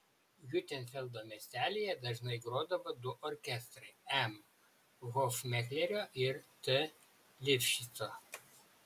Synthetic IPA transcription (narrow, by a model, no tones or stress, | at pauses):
jʲʊt̪ʲɛnʲfʲɛlʲˠd̪oːmʲɛsʲt̪ʲæːlʲejɛd̪ɐʒnɐɪɡɾoːd̪ɐʋod̪ʊʔɔɾʲkʲɛst̪ɾɐɪɛm | ɣofmʲɛxʲlʲɛɾʲoːʔɪɾt̪ʲɛ | lʲɪpʲʃʲit̪soː